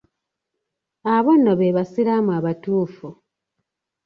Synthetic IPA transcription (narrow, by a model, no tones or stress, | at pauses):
aβonːoβeβasiɾamuaβatuːfu